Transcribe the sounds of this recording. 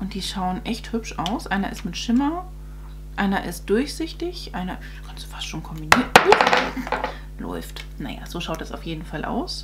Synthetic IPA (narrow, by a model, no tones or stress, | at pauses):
ʔʊnt̚d̥iːʃaʊənʔɛçthʏpʃʔaʊsʔaɪnɐʔɪstmɪtʃɪmɐ | ʔaɪnɐʔɪ̰st̚d̥ʊɐçz̥ɪçtɪçʔaɪnɐ | kʰanstd̥u̥fastʃoːnkʰɔmbiniːənu | lʔɔ̰ʏft | na̰ja̰zoːʃaʊt̚d̥asa̰ʊfjeːdn̩falʔa̰ʊs